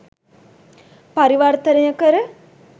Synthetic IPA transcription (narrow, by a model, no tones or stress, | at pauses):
paɾiʋart̪ənejəkəɾə